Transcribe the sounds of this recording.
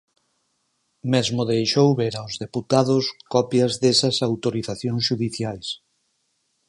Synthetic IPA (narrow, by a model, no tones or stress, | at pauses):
mezmoðejʃowβeɾawzðeput̪aðʊskɔpjɐzðesɐsawt̪oɾiθaθjõŋsʃuðiθjajs